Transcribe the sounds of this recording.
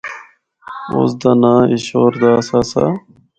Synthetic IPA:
o̰s̬d̪anaːiɕoːɾd̪aːsasa̰

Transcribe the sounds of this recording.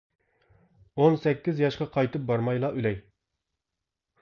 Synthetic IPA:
onsɛkʲːizjɑʃqɑqʰɑjt̪ɨp̚bɑɾmɑjlˠɑʔylɛj

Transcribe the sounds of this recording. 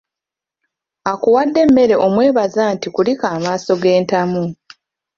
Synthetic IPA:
akuwadːe̞mːe̞ɾe̞ʔo̞mwe̞ːβazaːntikulikaːmaːso̞ɡe̞ːntamu

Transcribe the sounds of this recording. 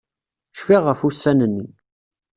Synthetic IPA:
ʃfiʁəfusːænənːi

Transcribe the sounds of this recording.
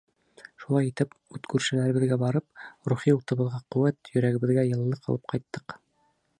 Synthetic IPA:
ʃulˠɑjit̪ɘpʉt̪kʉɾʃɘ̆læɾɘ̆βɘ̆ðɡæbɑɾɤp̚ɾuχiut̪ɤ̆βɤ̆ðʁɑqŭwæt̪jɵ̆ɾæɡɘ̆bɘ̆ðɡæjɤ̆lˠːɤqʰɑ̰lˠɤp̚qɑjt̪ːɤ̥q

